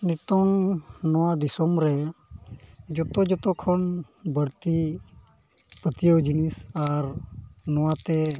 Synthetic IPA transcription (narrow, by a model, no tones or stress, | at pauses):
nit̪ɔŋnɔwad̪isɔmɾɛ | d͡ʒɔt̪ɔd͡ʒɔt̪ɔkʰɔn | bəɽt̪i | pət̪ijəwd͡ʒinisaɾnɔwat̪ɛ